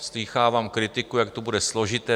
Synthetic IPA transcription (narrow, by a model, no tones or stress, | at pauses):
sliːxaːvaːmkɾɪt̪ɪkujak̚t̪obudɛslo̞ʒɪt̪ɛː